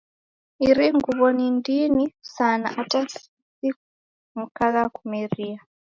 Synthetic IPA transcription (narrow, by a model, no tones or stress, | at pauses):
iɾiŋɡuβɔnindinisana̰ʔatasisi | mukakakumeria